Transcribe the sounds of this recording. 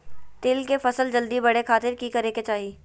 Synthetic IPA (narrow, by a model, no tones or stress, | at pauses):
t̪eːlkefɐsəld͡ʒɐld̪ibɐɽ̤ekʰaːt̪ɪɾkikɐɾeːket͡ʃaːɦiː